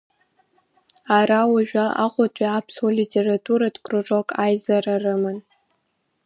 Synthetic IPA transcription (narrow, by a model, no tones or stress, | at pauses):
arawaʒᶣaa̰qʷʼʊtʷʼiapʰsolitʲʰeratʰʼuɾadkʼroʈ͡ʂʼokʼajzararɨmɨn